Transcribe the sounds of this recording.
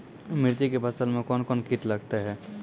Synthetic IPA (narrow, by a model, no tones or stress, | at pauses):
mɪɾt̪ikebʱəsəlmẽkɔːnkɔːnkiʈlɐɡt̪aɦɛː